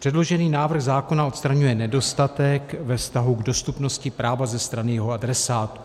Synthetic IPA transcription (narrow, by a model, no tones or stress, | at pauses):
pr̥ɛdlo̞ʒɛniːnaːvr̩ɣzaːko̞nao̞t̪st̪ɾaɲujɛnɛdo̞st̪at̪ɛkvɛfst̪aɦuɡdo̞st̪upno̞scɪpɾaːvazɛst̪ɾanɪjɛɦo̞adɾɛsaːt̪u̥